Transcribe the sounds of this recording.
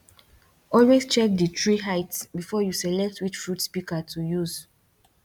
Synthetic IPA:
ɔlwest͡ʃɛk̚dətɹiɦaɪtsbifɔjusɛlɛk̚twit͡ʃfɹutspikatʰujuz̥

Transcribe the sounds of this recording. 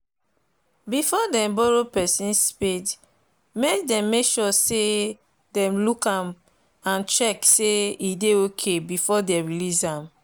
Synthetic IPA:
bifɔdɛ̃mbɔɹopɛsĩnsspit | mek̚dɛ̃mːekʃɔse | dɛ̃mlukãm | ãnt͡ʃɛkseideokʰebifɔdɛɹilisãm

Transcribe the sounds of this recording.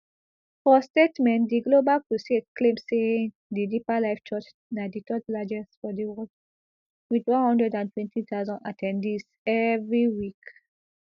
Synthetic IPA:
fɔstetmɛ̃ntdiɡlobalpɹosetkʰlẽmssẽ | didipalaɪft͡ʃʰɔt͡ʃ | naditɔt̚lad͡ʒɛsfɔdiwɔld | widwɔ̃nhɔ̃ndɹɛdãntʰwɛ̃ntʰitazɔ̃natʰɛ̃ndis | ɛvɹiwik

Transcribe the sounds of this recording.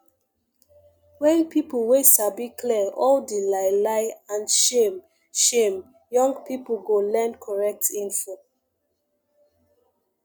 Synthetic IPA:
wɛ̃npiplwesabikʰlɛɔldelaɪlaɪãnʃem | ʃẽm | jɔ̃ŋɡpip̩ɡolɛ̃nkʰɔɹɛk̚tĩnfo

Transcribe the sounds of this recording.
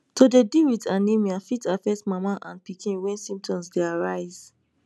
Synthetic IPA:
todediwitãnːemiãfitafɛk̚tmamaʔãnpikʰĩnwɛ̃nsĩmp̚tʰɔ̃msdeaɹaɪz̥

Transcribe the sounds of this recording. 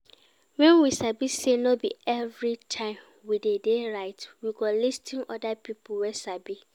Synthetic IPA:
wɛ̃nwisabisenɔbḭɛvɹitʰãɪ̃m | widedeɹaɪtwiɡɔlistʰɪ̃ŋɔ̰dapʰipowɛsabi

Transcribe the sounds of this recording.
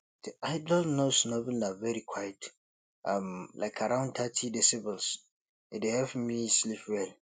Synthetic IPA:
d̥iʔaɪdɔlnosnɔbɪldavɛɹikʰwajt | ʔãmlʔa̰ɪkʰaɾãʊ̃ntʰatʰidɛsɪbəls | ɪdehɛfmislipwɛl

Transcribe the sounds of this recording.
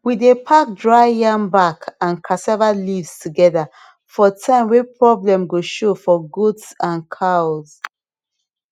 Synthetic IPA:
widepʰak̚dɹaɪjãmbakʰãnkʰasɛvalivz̥tʰuɡɛða | fɔtʰãɪ̃mwepʰɹɔblɛ̃mɡoʃofɔɡotsãnkʰaʊz̥

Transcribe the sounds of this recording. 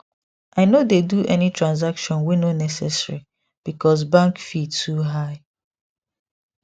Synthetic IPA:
ʔaɪnodeduʔɛnitʰɹãnz̬akʃɔ̃nwinonɛsɛsɹi | b̥ikɔs̬bãŋkfidtʰuɦaɪ

